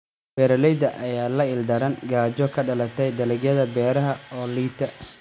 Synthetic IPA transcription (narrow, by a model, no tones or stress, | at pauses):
b̥ɛːɾɐlɛjd̪ɐʔɐjaːlɐɪld̪ɐɾɐnɡaːd͡ʒɔkʰɐɖɐlɐt̪ʰɛjd̪ɐlɪɡjɐðɐbɛːɾɐɦɐɔːliːt̪ʰɐ